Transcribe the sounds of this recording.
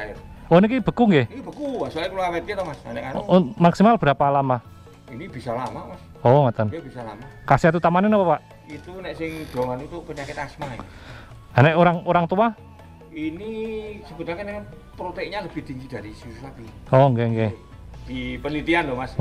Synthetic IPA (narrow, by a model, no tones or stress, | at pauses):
aonik̬ib̥ə̤kuŋɡehnikib̥ə̤kuwasuaɪkulokamet̪̚ket̪ɔmasanɛʔkaɾmaksimalb̥əɾapalama | inib̥isalamamas | ɔmat̪ənjab̥isalamakasiat̪̬ut̪amanenapapaʔ | it̪unɛʔsɪŋd̪̥o̤ŋanut̪ʊʔpəɲakɪt̪asmaɛ | anɛʔoɾaŋoɾaŋt̪ua | inisəb̥unakənɛn | pɾot̪ɛɲaləb̥iht̪iŋd͡ʒid̪̥aɾisususap̪iɔŋɡeŋɡe | d̪̥ipənlit̪iandɔmas